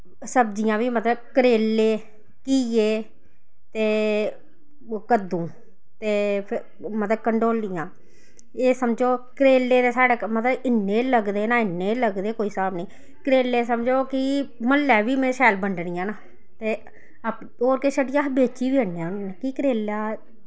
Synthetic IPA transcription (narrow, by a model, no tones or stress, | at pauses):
səbd͡ʒɪjãːʋiːmət̪ləb̚kəɾeːlːeː | kiːeː | t̪eː | kəd̪ũː | t̪eːpʰ | mət̪ləb̚kəɳɖoːlːɪjãː | eːsəmd͡ʒoːkəɾeːlːeːt̪eːsaːɽaːmət̪ləbɪnːeːləɡd̪eːnãːɪnːeːləɡd̪eːkoːiːsəbaːbniː | kəɾeːlːeːsəmd͡ʒoːkɪməlːɛːʋiːmɛ̃ːʃɛːlbəɳɖɳɪjãːnaː | t̪eː | əp | oːɾkeːʃəʈɪjaːbeːt͡ʃiːbiːəneãnkiːkəɾeːlaː